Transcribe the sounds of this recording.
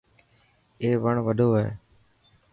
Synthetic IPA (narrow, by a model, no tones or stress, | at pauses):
eːʋəɳʋəɖʱoːɦḛː